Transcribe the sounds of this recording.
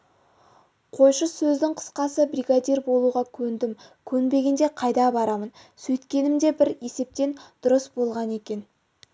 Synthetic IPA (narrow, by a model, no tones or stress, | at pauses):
qʰo̞jʃəsɵzd̪ɪŋqʰə̥sqɑsəbɾijɡad̪iɾbo̞lˠuʁɑkʲʰɵnd̪ɪmkʲʰɵnbe̞ɡʲend̪e̞qʰɑjd̪ɑbɑɾɑmən | sɵjt̪kʲe̞nɪmd̪e̞bɪɾe̞se̞p̚t̪e̞nd̪̥ʊɾəsbo̞lˠʁɑne̞kʲe̞n